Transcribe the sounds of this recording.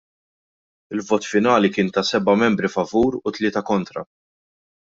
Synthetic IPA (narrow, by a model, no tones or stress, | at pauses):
ɪlvɔːt̪fɪnɐːlikɪːnt̪ɐsɛbɐmɛmbɾifɐvuːɾʊt̪lɪːt̪ɐkɔnt̪ɾɐ̰